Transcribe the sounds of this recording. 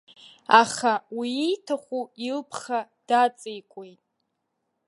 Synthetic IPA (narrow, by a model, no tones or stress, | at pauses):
aχawiːjtʰaχʷuilpʰχad̥at͡sʼijkʷʼejtʼ